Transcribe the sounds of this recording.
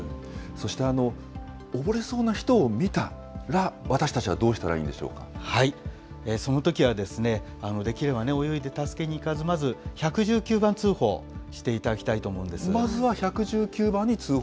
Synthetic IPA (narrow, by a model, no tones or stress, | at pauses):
so̞ɕi̥t̪e̞ano̞ | obo̞ɾe̞so̞ːnaçi̥t̪o̞ːmʲit̪a | ɾaβat̪aɕi̥t̪at͡ɕiβad̪o̞ːɕi̥t̪aɾa̰ḭ̃ːnd̪e̞ɕo̞̰ːka̰hai | eːso̞no̞t̪o̞kʲiβad̪e̞sɨne̞ | ano̞d̪e̞kʲiɾe̞bane̞o̞jo̞id̪e̞t̪asɨ̥ke̞ɲ̟iːkazɨmazɨçakɯ̟ʑɨːkʲɨːbãnt͡sɨːho̞̰ːɕi̥t̪e̞it̪ad̪akʲi̥t̪ait̪o̞ːmo̞ɯ̃nd̪e̞sɨmazɨβaçakɯ̟ʑɨːkʲɨːbãɲ̟ːit͡sɨː